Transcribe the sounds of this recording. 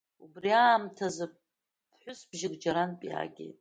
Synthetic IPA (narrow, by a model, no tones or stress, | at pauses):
ubriaːmtʰazɨ̥ | ħʷʊsbʒɪɡʼd͡ʒaɾanpʼia̰ɡʲḛjtʼ